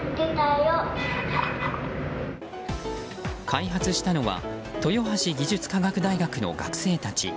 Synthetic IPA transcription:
det̪aioaɾa | kʰaiɦat͡sɨɕi̥t̪ano̞βa̰ | t̪o̞jo̞ɦaɕiɡʲiʑɨt͡sɨ̥kaɡakɯ̟d̪aiɡakɯ̟no̞̰ɡa̰kɯ̟̥se̞ːt̪at͡ɕḭ

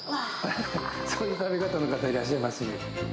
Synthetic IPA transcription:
a | asojɯt̪abikat̪ano̞kat̪aiɾaɕ̬ːaimasɨne

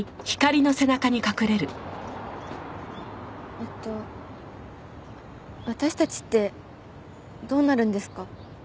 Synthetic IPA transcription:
çi̥kaɾʲino̞se̞nakaɲ̟ikakɯ̟ɾe̞ɾɯ̟ | et̪ːo̞ | βat̪aɕi̥t̪at͡ɕi̥t̪ːe̞ | d̪o̞ːnaɾɯ̟̃nd̪e̞sɨ̥ka

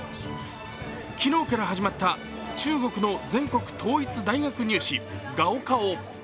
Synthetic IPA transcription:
kʲino̞ːkaɾaɦaʑimat̪ːa | t͡ɕɨːɡo̞kɯ̟no̞d͡zẽ̞ŋko̞kɯ̟̥t̪ʰo̞ːit͡sɨd̪aiɡakɯ̟ɲ̟ɨːɕiɡao̞kao

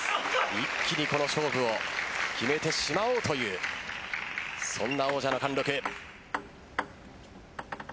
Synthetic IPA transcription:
ikʲːiɲ̟iko̞no̞ɕo̞ːɸɯ̟o̞kʲime̞t̪e̞ɕimaoːt̪o̞jɯ̟ː | sõ̞nːao̞ːʑanokãnɾo̞kɯ

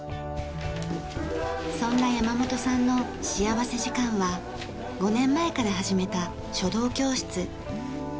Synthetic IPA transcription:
sõ̞nːajamamo̞t̪o̞sãnːo̞ | ɕijaβase̞ʑikãɰ̃βa | ɡo̞nẽ̞mːae̞kaɾaɦaʑime̞t̪a | ɕo̞d̪o̞ːkʲo̞ːɕi̥t͡sɨ

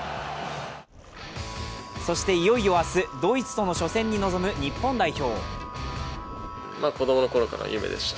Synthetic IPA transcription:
so̞ɕi̥t̪e̞ijo̞io̞asɨd̪o̞ːit͡sɨ̥t̪o̞no̞ɕo̞sẽ̞ɲ̟ːino̞zo̞mɯ̟ɲ̟ipːõ̞nd̪aiço̞ː | mako̞d̪o̞mono̞ko̞ɾo̞ka̰ɾa̰jɯ̟me̞̰d̪e̞̰ɕi̥t̪

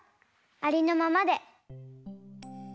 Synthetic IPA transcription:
aɾʲino̞mamad̪e̞

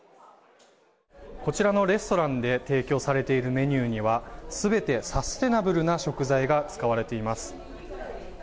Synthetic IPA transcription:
ko̞t͡ɕiɾano̞ɾe̞sɨ̥t̪o̞ɾãnd̪e̞t̪e̞ːkʲo̞ːsaɾe̞t̪e̞iɾɯ̟me̞ɲ̟ʲɨːɲ̟iβasɨbe̞t̪e̞sast̪e̞nabɯ̟ɾɯ̟naɕo̞kɯ̟zaiɡat͡sɨ̥kaβaɾe̞t̪e̞imasɨ̥

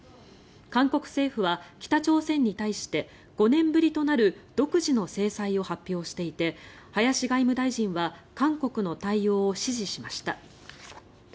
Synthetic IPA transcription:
kãŋko̞kɯ̟̥se̞ːɸɯ̟βakʲi̥t̪at͡ɕo̞ːsẽ̞ɲ̟ːit̪aiɕi̥t̪e̞ | ɡ̥o̞nẽ̞mbɯ̟ɾʲit̪o̞naɾɯ̟d̪̥o̞kɯ̟ʑino̞se̞ːsaio̞hapʲːjo̞ːɕi̥t̪e̞it̪e̞ | hajaɕiɡaimɯ̟d̪aiʑĩɰ̃βakãŋko̞kɯ̟no̞t̪aijo̞ːɕiʑiɕimaɕi̥t̪a

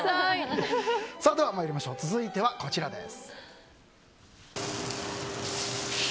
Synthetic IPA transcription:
so̞ːd̪e̞βamajoɾʲimaɕo̞ːt͡sɨzɨit̪e̞βako̞t͡ɕiɾad̪e̞̰sɨ̥

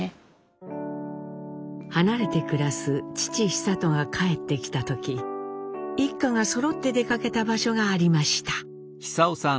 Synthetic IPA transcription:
hanaɾe̞t̪e̞kɯ̟ɾasɨt͡ɕi̥t͡ɕiçi̥sat̪o̞ŋakʰae̞t̪ːe̞kʲi̥t̪at̪o̞kʲi | ikːaŋaso̞ɾo̞t̪ːe̞d̪e̞kake̞t̪abaɕo̞ɡaːɾʲimaɕi̥t̪ḁ | çi̥saosã

